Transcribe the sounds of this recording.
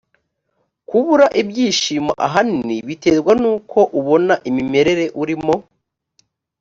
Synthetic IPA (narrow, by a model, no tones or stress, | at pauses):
kuβuɾaʔibɟiːʃiːma̰ʔaɦaniniβite̞zɡwanuːkʰo̞ʔuβo̞naʔimime̞ɾe̞ɾe̞ʔuɾimo̞